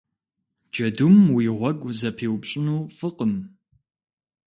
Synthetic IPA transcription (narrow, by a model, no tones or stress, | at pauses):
d͡ʒɐdumwiːʁʷɔɡʷzɐpʰiːwpɕʼɪnuːfɨqəm